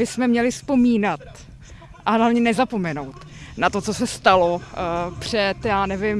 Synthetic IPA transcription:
bɪsmɛmɲɛlɪspo̞miːnat̪̚ | ʔalavɲɛnɛzapo̞mɛno̞wt̪ | nat̪o̞t͡so̞sɛst̪alopr̝̥ɛt̪jaːnɛvɪm

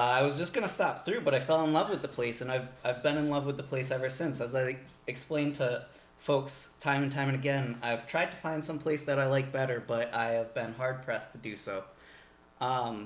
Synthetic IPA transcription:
aɪwʌzd͡ʒʌsɡ̥ʌñəstɑp̚θɹʉbʌɾaɪfɛlˠə̃nlʌvwəðəpʰl̥eɪsɨ̃naɪvaɪvbɨ̃nɨ̃nlʌvwəðəpʰl̥eɪsɛvə˞sɪ̃nsɨzaɪ | ɨksplẽɪ̃ntʰɨ | foʊkstʰãɪ̃mɨ̃n̩tʰãɪ̃mɨ̃nɨɡɛ̃na̰ɪv̥tʰɹ̥aɪd̚tʰɨ̥fãɪ̃nd̥sʌ̃mpʰl̥eɪsðɨɾaɪlaɪk̚b̥ɛɾə˞bʌɾʔaɪɨvbɨ̃nɦɑɹd̚pʰɹ̥ɛstʰɨdɨsoʊ | ʔʌ̃m

